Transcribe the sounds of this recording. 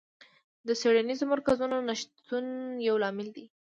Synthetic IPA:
d̪əseɽanizomaɾkazunonaʃt̪unjawlɑmɪld̪i

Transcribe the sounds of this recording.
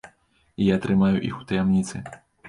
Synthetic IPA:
ijat̪ɾɨmajuʔḭxu̥t̪ɐjamnʲit̪sɨ

